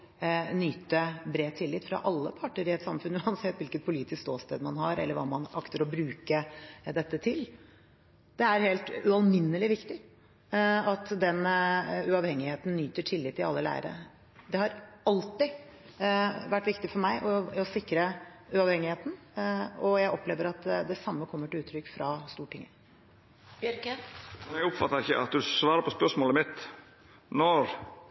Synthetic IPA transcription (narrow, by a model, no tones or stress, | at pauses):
nyːt̪əbɾeːt̪ʰɪlːɪt̪fɾɑ̰ʔɑlːəpʰɑʈːəɾɪɛt̪sɑmfʉnːʉɑnsɛt̪ːʋɪlkət̪̚pʰʊliːt̪ɪskt̪oːst̪ḛːd̪mɑnɦɑɾɛ̰lːəɾʋɑ̰ːmɑnɑkt̪əɾɔbɾʉːkəd̪ɛt̪ːət̪ʰɪl | d̪̥ɛæɾheːlt̪ʉɑlmɪnːəlɪʋɪkt̪ɪ | ɑt̪d̪ɛnʉɑʋhɛŋːɪheːt̪n̩nyːt̪əʈʰɪlːɪt̪ːɪɑlːəlæ̰ɪə̰ɾə̰ | d̪ɛhɑɾɑlt̪ɪ | ʋæʈːʋɪkt̪ɪfɔɾmæɪʔɔɔsɪkɾəʉɑʋhɛŋɪheːt̪n̩ | ɔjæɪʔɔpleːʋəɾɑt̪d̪ɛsɑmːəkʰɔmːəʈɪʉːt̪ʰɾʏkːfɾɑst̪uːʈʰɪ̰ŋːə | ɾkmɛnɛɡʊpfɑt̪ːəɾɪçə̰ʔɑ̰t̪̚d̪ʉsʋɑːɾəpʰɔspœʂmoːləmɪt̪ | nɔɾ